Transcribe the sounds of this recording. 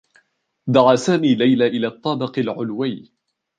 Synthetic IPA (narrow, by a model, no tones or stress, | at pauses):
d̪ɑʕaːsaːmiːlajlaːʔɪlaːt̪ˤːɑːbɪqɪlʕʊlwaː